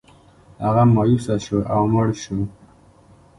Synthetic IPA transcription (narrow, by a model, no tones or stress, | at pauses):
aɣamɑjusaʃoʔawmaɽʃu